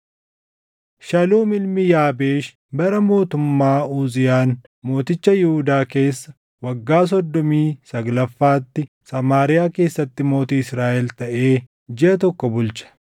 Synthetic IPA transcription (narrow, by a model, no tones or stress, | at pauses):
ʃɐluːmɪlmɪjaːbe̞ːʃ | bɐɾɐmo̞ːt̪ʊmːaːuːzɪjaːn | mo̞ːt̪ɪt͡ʃːɐjɪhʊd̪aːke̞ːsːɐ | wɐɡːaːs̬ɔd̪ːɔmiːsɐɡlɐfːaːt̪ːɪ | sɐmaːɾɪjaːke̞ːsːɐt̪ːɪmo̞ːt̪iːɪsɾaːʔɛlt̪ɐʔe̞ː | d͡ʒɛɐt̪ɔkːɔbʊlt͡ʃɐ̥